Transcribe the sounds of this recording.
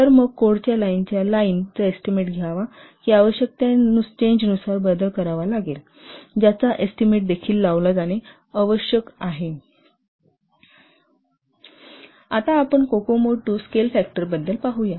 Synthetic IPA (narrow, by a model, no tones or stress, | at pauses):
t̪əɾməɡ̚koɽt͡ɕjalaint͡ɕjalaint͡səesʈimeʈɡʱjaʋakiːaʋəɕjək̚t̪janut͡ɕeɲd͡ʑnusaɾbəd̪əlkəɾaʋalaɡel | d͡ʑjat͡saʔesʈimeʈ̚d̪ekʰiːlːaʋlad͡zane | əʋəɕjəkaɦe | at̪aːpəɳkokomoʈːuːskelfæk̚ʈəɾbəd̪ːəlpaɦuja